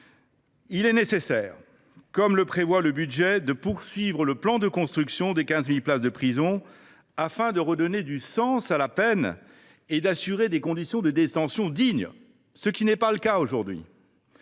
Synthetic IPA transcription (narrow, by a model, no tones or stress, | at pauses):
ilɛnesesɛːʁ | kɔmləpχevwaləbyd̪ʒɛd̪əpuʁsɥivʁələplɑ̃d̪əkɔ̃st̪χyksjɔ̃d̪ekʲɛ̃zmilplasd̪əpχizɔ̃ | afɛ̃d̪əʁəd̪ɔned̪ysɑ̃salapɛn | ed̪asyʁed̪ekɔ̃d̪isjɔ̃d̪əd̪et̪ɑ̃sjɔ̃d̪iɲ | səkʲinɛpaləkaoʒuʁd̪ɥḭ